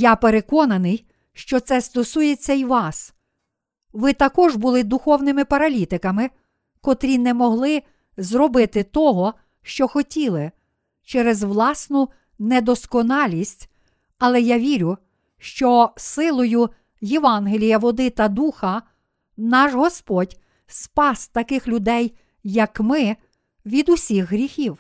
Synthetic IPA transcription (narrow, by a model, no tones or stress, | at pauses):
japeɾekɔnɐnɪj | ʃt͡ʃɔt̪sɛst̪ɔsujet͡sʲːɐiʋɑs | ʋɪt̪ɐkɔʒbʊlˠɪd̪ʊxɔwnɪmɪpɐɾɐlʲit̪ɪkɐmɪ | kɔt̪ɾʲinɛmɔɦlˠɪ | zrɔbɪt̪ɪt̪ɔɦɔ | ʃt͡ʃɔxɔtʲilˠɪ | t͡ʃɛɾezʋlˠɑsnʊ | nɛd̪ɔskɔnɑlʲisʲtʲ | ɐlˠɛjaʋʲiɾʲʊ | ʃt͡ʃɔsɪlˠɔjʊ | jeʋɑnɦelʲijɐʋɔd̪ɪt̪ɐd̪uxɐ | nɑʒɦɔspɔdʲ | spɑsʲt̪ɐkɪxlʲʊd̪ɛjː | ɐkmɪ | ʋʲid̪ʊsʲixɦɾʲixʲiw